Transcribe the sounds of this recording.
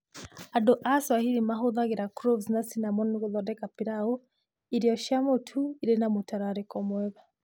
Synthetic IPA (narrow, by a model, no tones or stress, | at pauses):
adɔʔaswahiɾimaɦɔðaɡiɾakuɾɔvznasinamɔnɡɔðɔdɛkapiɾaɔ | iɾijɔʃamɔtʰuiɾɛnamutaɾaɾɛkɔmwɛβa